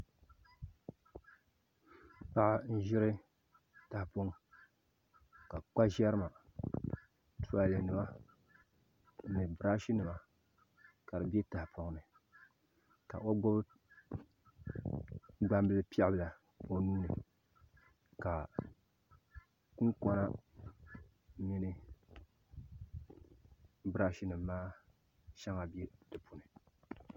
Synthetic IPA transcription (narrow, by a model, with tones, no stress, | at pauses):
pa˦ʔa˦n̩˦ʒɪ˦ɾɨ˦ | ta˨hpo˦ŋ˦ | ka˨k͡pa˦ʒɛ˦ɾɨ˦ma˨ | tu˦a˦˨le˨nɨ˨ma˦˨ | nɨ˨bɨ˨ɾa˦ʃi˦nɨ˨ma˨ | ka˨ɾɨ˨be˦ta˨hpʰo˨ŋnɨ˨ | ka̰˨ʔo˦ɡ͡bo˦b | ɡ͡ba˦mbɨ˦lɨ˦pi˦ɛ˦bɨ˨la˨ | o˦nuː˦nɨ˨ | ka˨ | ku˦ŋkɔ˦na˦ | mi˦nɨ˦ | bɨ˦ɾa˦ʃi˦nɨ˨mː˦aː˦ | ʃɛ˦ŋa˨bi˦e˦tɨ˨pʰu˨nɨ˨